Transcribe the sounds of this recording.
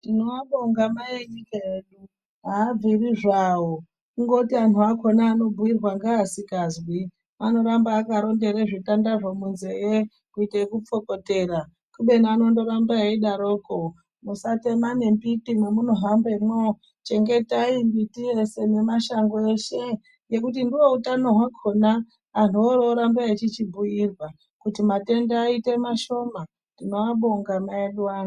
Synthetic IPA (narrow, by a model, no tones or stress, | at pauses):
tinoaɓoŋɡamajeɲikajeːɗu | ɦaːb͡viriʐawo | kuŋɡo̞tian̤uako̞naːno̞buwirwaŋɡaːsikazwi | ano̞ɾambaːkaɾo̞nde̞ɾeʐitandaʐo̞munze̞je | kuiteikup͡fo̞ko̞te̞ːra | kuɓe̞naːno̞ndo̞ɾambaeiɗaɾo̞ːko | musate̞mane̞mbitimwemuno̞ɦambemo | t͡ʃe̞ŋɡe̞taimbitije̞se̞ne̞maʃaŋɡoe̞ʃe̞ | je̞kut̬indiwo̞utanoɦwakʰo̞na | an̤uoɾoɾambaet͡ʃit͡ʃibʱuirwa | kutimate̞ndeaitemaʃo̞ma | nd̥ino̞aɓoŋɡamaeɗwaːna